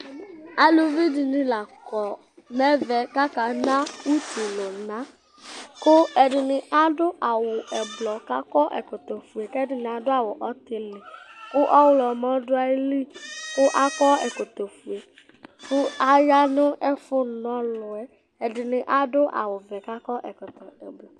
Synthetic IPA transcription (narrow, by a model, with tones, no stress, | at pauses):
a˦lu˨vi˦dɪ˨nɪ˦la˨kɔ˨ | mɛ˦vɛ˨ka˦ka˨na˦u˦ti˨lʊ˨na˦ | kʊ˦ɛ˨dɪ˨nɪ˨ʔa˦dʊ˦ʔa˨wʊ˨ɛ˨blɔ˨ka˦kɔ˦ʔɛ̰˨kɔ˨t̪o˨fu˨e˨kɛ˦dɪ˨nɪ˨a˨dʊ˦a˨wʊ˨ʔɔ˦t̪ɪ˨lɪ˨kʊ˦ʔɔ˦wlɔ˨mɔ̃˦dʊ˦a˦li˦kʊ˦ʔa˦kɔ˦ɛ̰˨kɔ˨t̪ɔ˨fu˨e˨ | kʊ˦a˦ja˦nʊ˦ɛ˦fʊ˦˨nɔ̃˨˦lʊ˨ɛ˦ | ɛ˨dɪ˨nɪ˨ʔa˦dʊ˦ʔa̰˨wʊ˨vɛ˨ka˦kɔ˦ʔɛ˨kɔ˨t̪ɔ˨ɛ˨blɔ˨